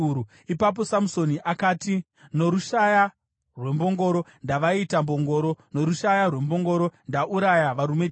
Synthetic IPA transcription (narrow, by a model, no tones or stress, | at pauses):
u | ipap̬o̞samuso̞niʔakaːti | no̞ɾuʃaja | rwe̞mbo̞ŋɡo̞ɾo̞ndaʋaitambo̞ŋɡo̞ːɾo̞no̞ɾuʃajarwe̞mbo̞ŋɡo̞ɾo̞ndaʔuɾajaʋaɾume̞